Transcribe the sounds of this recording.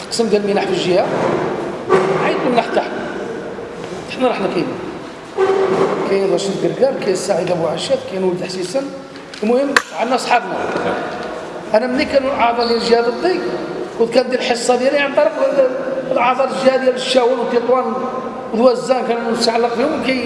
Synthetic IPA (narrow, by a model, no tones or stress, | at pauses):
qsəmd̪jælmənaħfəʒəhæ | ʕajd̪̚umnaħt̪aħn | t̪aħnæɾˤɑħnkini | kæjəd̪ɑʃəd̪ɡ̪əɾɡæbkæjæsaʕəd̪abwʕaʃæt̪kæjnwəlt̪əħsisən | mʊhəmːʕanːæsˤħɑbnæ | ʔænæmnikænulʕɑʕd̪ˤɑɾd̪jælʒəhæb̪ət̪ˤːikkut̪̚kænd̪jælħəsˤːɑd̪jæliʕənb̪ɑɾˤɑkləlʕɑd̪ˤɑɾˤʒihæd̪jæləʃːæwælwət̪ːit̪wæn | wd̪wæzːænkænst̪ʕalːəqbihʊmlkæj